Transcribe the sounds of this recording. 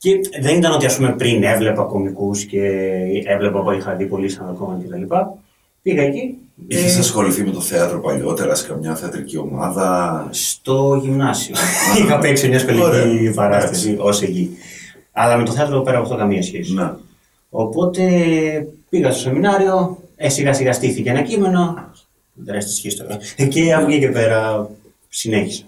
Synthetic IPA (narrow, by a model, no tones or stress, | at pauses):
ceðe̞nit̪ɐno̞t̪iɐspume̞pɾine̞vle̞pɐko̞mikusce̞evle̞pɐpoixɐðipo̞lisɐɐðokomɐt̪ce̞t̪ɐlipɐ | piɣɐeciiçesɐsxo̞liθimet̪oθeɐt̪ɾopɐ̰ʎo̞̰t̪eɾɐsi̥kɐmɲɐθeɐt̪ɾicio̞̰mɐ̰ðɐst̪o̞ʝimnɐsioixɐpeksimɲɐspoliipɐɾɐst̪ɐsiʔo̞seʎi | ɐlɐme̞t̪oθeɐt̪ɾopɾɐpɐft̪o̞kɐmiɐsçesine | o̰po̞t̪e̞ | piɣɐst̪o̞se̞minɐɾio̞esiɣɐsiɣɐst̪iθiceɐnɐcime̞no | ðeɾest̪i̥sçist̪o̰ɐceɐpocice̞pe̞ɾɐ | sineçisɐ̥